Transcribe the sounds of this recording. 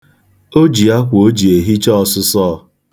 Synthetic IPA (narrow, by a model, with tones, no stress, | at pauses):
o˦d͡ʒi˨a˦kʷʊ˨o˦d͡ʒi˨e˨ɦi˦t͡ʃɔ˦ɔ˨sʊ˦sɔː˦˨